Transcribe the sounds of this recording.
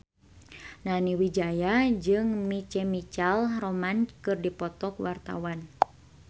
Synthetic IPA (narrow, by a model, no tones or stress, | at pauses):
naniwid͡ʒajad͡ʒɨŋmit͡ʃɛmit͡ʃalromankɨrdipɔt̪ɔkwart̪a̰wan